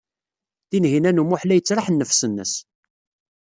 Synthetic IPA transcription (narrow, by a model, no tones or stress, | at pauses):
θinɦinænumʊħlæjət͡sːɾˤaħnːəfsənːə̰s